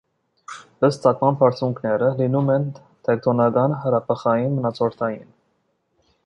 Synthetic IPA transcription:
əst̪t͡sɑkmɑmpʰɑɾt͡sʰuŋkʰnɛɾəlinumɛn | t̪ʰɛk̚t̪ʰɔnɑkɑnɦəɾɑpʰəχɑjinmənɑt͡sʰɔɾt̪ʰɑjin

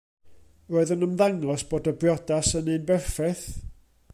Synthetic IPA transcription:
roːɨðənəmðaŋɔsb̥oːdəbrjɔdasənɨnbɛrfɛθ

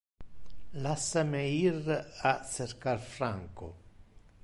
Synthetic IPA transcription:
lasːameiraserkarfɾaŋko̰

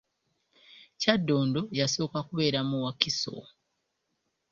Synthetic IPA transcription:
cadːo̞ːndo̞jaso̞ːkakuβe̞ːɾamuwakiso̞̰

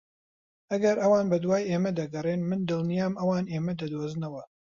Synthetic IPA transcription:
ʔɐɡɐɾʔɐwaːnbɐd̪waːjʔeːmɐd̪ɐɡɐrenmɨnd̪ɨlˠnijaːmʔɐwaːneːmɐd̪ɐd̪oːznɐwɐ

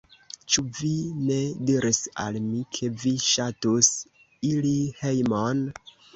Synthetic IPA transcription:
t͡ʃuvine̞diɾʔisa̰lmikʰe̞viʃatus | ilihe̞jmon

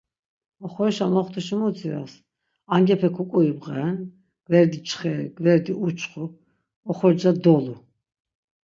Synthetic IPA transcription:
ɔχɔɾʃamɔχt̪ʰuʃimuziɾas | aŋɡɛpʰɛkʰukʼuibʁɛn | ɡ̥vɛɾd̪it͡ʃʰʼχɛɡvɛɾd̪iʔut͡ʃʰχɔ | ɔχɔɾd͡ʒad̪ɔlu

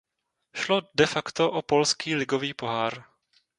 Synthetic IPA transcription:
ʃlo̞dɛfakt̪o̞ʔopo̞lskiːlɪɡo̞viːpo̞ɦaːɾ

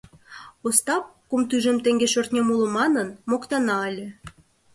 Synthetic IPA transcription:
ost̪ɑp̚kumt̪yʒə̆mt̪eŋɡʲeʃørt̪nʲemuləmɑnənmokt̪ɑnɑəlʲĕ

